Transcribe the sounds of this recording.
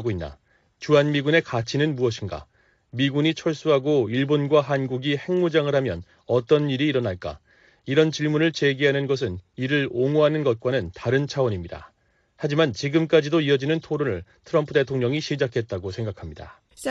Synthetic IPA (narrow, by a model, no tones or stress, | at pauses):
ɡoinːa̰ | t͡ɕuɦanmiɡune̞kat͡ɕʰinɯnmuʌɕʰinɡa̰ | miɡuɲit͡ɕʰʌɭs͈uɦaɡoiɭbonɡwaɦanɡuɡihe̞ŋmud͡ʑaŋɯɭhamjʌn | ʌt͈ʌniɾiːɾʌnaɭk͈a̰ | iɾʌnt͡ɕiɭmunɯɭt͡ɕe̞ɡiɦanɯnɡʌsʰɯniɾɯɾoŋoɦanɯnɡʌt̚k͈wanɯntaɾɯnt͡ɕʰawʌɲimɲida̰ | had͡ʑimant͡ɕiɡɯmk͈ad͡ʑidoiʌd͡ʑinɯntʰoɾonɯɭtʰɯɾʌmpʰɯde̞tʰoŋɲʌŋiɕʰid͡ʑakʰe̞t̚t͈aɡosʰe̞ŋɡakʰamɲida̰